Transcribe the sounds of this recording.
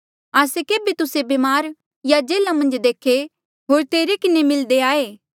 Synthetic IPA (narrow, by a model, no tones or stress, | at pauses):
aːsekeːbet̪ʊsebemaːɾ | jad͡ʒeːlamɐ̃nd͡ʒd̪eːkʰe | ɦoːɾt̪eːɾekɪnemɪld̪eaːeː